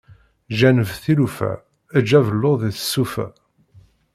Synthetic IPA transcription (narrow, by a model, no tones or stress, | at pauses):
ʒænəvθilufæ̰ | əd͡ʒævəlːoðiθə̥sːufæ̰